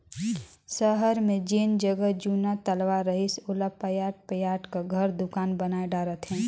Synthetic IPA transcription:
səɦəɾmẽd͡ʒeːnd͡ʒəɡəɦd͡ʒuːnat̪əlʋaɾəɦɪsʊlapəjaːʈ̚pəjaːʈkaɡʱəɾd̪ʊkaːnbənaːeɖaːɾət̪ɦɛ̃ː

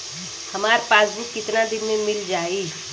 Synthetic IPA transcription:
hɐmaːɾpaːsbʱikɪt̪nad̪ɪnmẽnmɪld͡ʒaːi

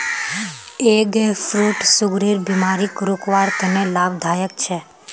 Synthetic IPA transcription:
eɡefɾuːʈsʊɡɾiɾbimaɾikɾukʋaɾt̪enelabd̪ʱaːjək̚t͡ʃʰe

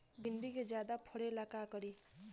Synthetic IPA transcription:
bind̪iked͡zjad̪apʰʌɽelakakʌɾi

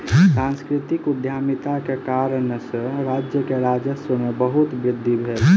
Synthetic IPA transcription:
sãnskɾɪt̪ɪkʊd̪ʱjaːmɪt̪akekaːɾənsəɾaːd͡ʒjəkeɾaːd͡ʒəsəmebəɦʊt̪bɾɪd̪ʱːibʱeːl

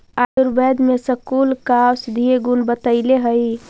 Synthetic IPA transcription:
aj̪uɾbɛd̪mesəkulkasd̪ʱieɡunbət̪əɪleɦəj

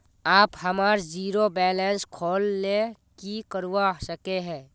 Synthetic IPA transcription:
aːphəmaːɾd͡ʒiːɾobɛːlɛnskʰoːlːe | kikəɾuwasəkeɦɛ̃ː

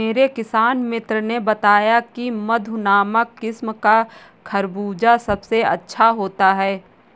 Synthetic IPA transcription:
meːɾekɪsaːnmɪt̪ɾənebɐt̪aːjakimɐd̪ʱʊnaːməkːɪsmka | kʰɐɾbuːd͡ʒasɐbseɐ̰tːʃʰaɦoːt̪aɦɛː

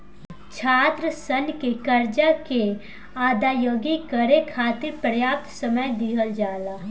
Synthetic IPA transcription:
t͡ʃʰaːt̪ɾəsənkekɐɾd͡ʒake | aːd̪aːjoːɡikəɾekʰaːt̪ɪɾpɾəjaːp̚t̪səməjd̪ɪɦəld͡ʒaːlaː

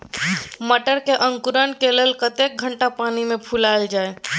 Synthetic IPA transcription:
məʈəɾkeʔə̃ŋkuɾənkeleːlkət̪ek̚ɡʱəɳʈapaːnimẽpʰulaeld͡ʒaːe

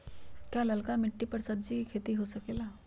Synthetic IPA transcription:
kjalɐlkamɪʈːipɐɾsɐb̚d͡ʒikikʰeːt̪iɦosɐkeːlaː

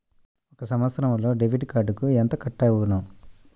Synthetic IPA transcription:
ɔkɐsɐmʋɐt̪sɾɐmlo̞ːɖeʋiɖkaːɖukuent̪ɐkɐʈːɐːunɐ

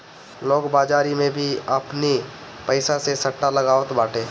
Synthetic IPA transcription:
loːɡbaːd͡ʒaːɾimẽbʱiɐpni | pəɪsasesɐʈːalɐɡaːʋət̪baːʈʰeː

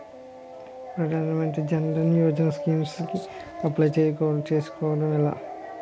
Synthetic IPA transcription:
pɾɐd̪ʱaːnɐmɐɳʈid͡ʒɐnɖɐnjoːd͡ʒɐnɐskiːmski | ɐplajt͡ʃeːjkːt͡ʃeːsu̥kɔːʋɐɽɐmila̰ː

